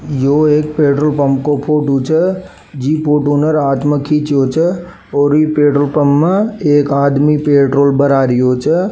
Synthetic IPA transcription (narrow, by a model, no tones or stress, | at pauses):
joːeːk̚peːʈɾoːlpəmkopʰoːʈut͡ʃʰə | d͡ʒiːpʰoːʈoːnəɾaːt̪məkʰit͡ʃoːt͡ʃʰə | oːɾipeːʈɾoːlpəmːəeːkaːd̪mipeːʈɾoːlbəɾaːɾijoːt͡ʃə